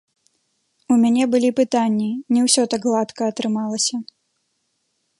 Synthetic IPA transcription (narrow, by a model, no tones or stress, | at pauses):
umʲanʲɛbɨlʲipɨt̪anʲːinʲɛwsʲɔt̪aɡlˠat̪kɐːt̪ɾɨmalˠɐsʲɐ